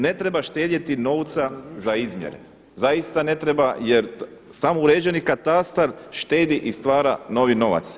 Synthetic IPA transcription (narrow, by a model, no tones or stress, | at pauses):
ne̞t̪ɾebaʃt̪e̞ːd̪jet̪ino̞ʋt̪sazaizmjḛɾḛ | zajist̪ane̞t̪ɾebajeɾ | samouɾe̞ːd͡ʒenikat̪ast̪aɾʃt̪e̞ːd̪iʔist̪ʋaːɾano̞ʋino̞ʋa̰t̪s